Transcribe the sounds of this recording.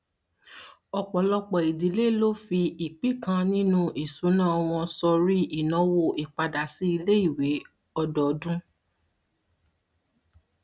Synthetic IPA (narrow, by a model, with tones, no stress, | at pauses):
ɔ˧k͡pɔ˨lɔ˧k͡pɔ˨i˨di˨˦le˦lo˦fi˧i˨k͡pi˦kã˧nĩ˦nũ˦ʔi˨sũ˨˦nãː˦˨ɔ˧w̃ɔ̃˧sɔ˧ɾi˦i˦˨nɔ̃˨˦wo˦˨ʔi˨k͡pa˧da˨si˨˦i˧le˦i˦˨we˨˦ | ɔ˧dɔ˨˦dũ˦